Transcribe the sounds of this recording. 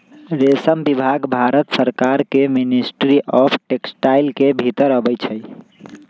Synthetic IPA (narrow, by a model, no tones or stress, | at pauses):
ɾesəmbibʱaɡbʱaɾət̪səɾkaɾkeminisʈɾiʔɔpʰʈeksʈailkebʱit̪əɾəbɛjt͡ʃʰəj